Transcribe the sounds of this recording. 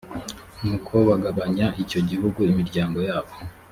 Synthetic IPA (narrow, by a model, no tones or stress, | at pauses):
nuːkʰo̞βaɡaβaɲaʔico̞ɟihuɡuimiɾɟaːŋɡo̞jaːβo̞